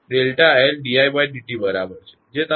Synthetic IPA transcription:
ɖelʈaːɦelɖiajbajɖiʈiːbəɾabəɾt͡ɕed͡ʑet̪a

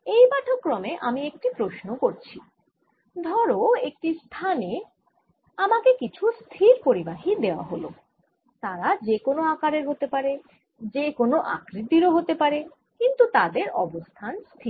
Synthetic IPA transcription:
ejbaʈʰokːɾɔmeʔamiek̚ʈipɾoʃnokoɾt͡ɕʰi | d̪ʱɔɾoek̚ʈist̪ʰane | amakekit͡ɕʰust̪ʰiɾpoɾibaɦid̪eoa̰ɦolo̰ | t̪aɾad͡ʑekonoakaɾeɾɦot̪epaɾe | d͡ʑekonoʔa̰kɾid̪iɾoɦot̪epaɾe | kint̪ut̪ad̪eɾɔ̰bost̪ʰanst̪ʰi

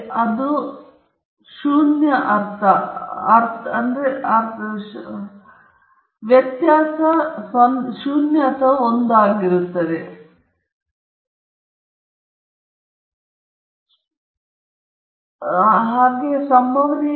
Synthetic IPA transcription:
ɐd̪u | ʃuːnjɐʔɐɾt̪ʰɐɐɾt̪ʰɐɐnd̪ɾeɐɾ | ʋjɐt̪jaːsɐsɐnʃuːnjɐsɐond̪aːɡiɾut̪ːɐd̪e | ɦaːɡesɐmbʱɐʋɐni

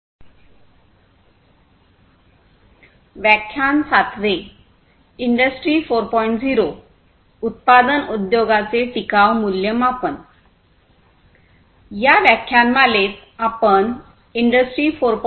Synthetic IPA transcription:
ʋjakʰjansat̪ʋe | iɳɖəsʈɾiːfoɾpɔiɳʈd͡ziɾo | ut̪̚pad̪ənud̪joɡat͡seʈ̪ikaʋmuljəmapən | jaʋjakʰjanmalet̪ | apəɳ | iɳɖəsʈɾiːfoɾp

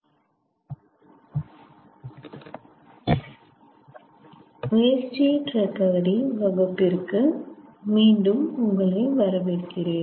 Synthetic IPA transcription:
ʋeːt͡ʃiʈɾɐt̪ːɐːɐɽiʋɐɣɐpːɪrkɯmiːɳɖɯmʊŋɡɐɭɐɪʋɐɾɐʋeːʈkɪreːn

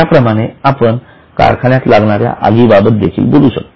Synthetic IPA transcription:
apɾəmaɽ̃eapəɳ | ka̰ɾkʰaɳjat̪laɡɳaɾja̰ʔaɡiːbabət̪̚d̪ekʰiːlboluːɕək̚t̪o

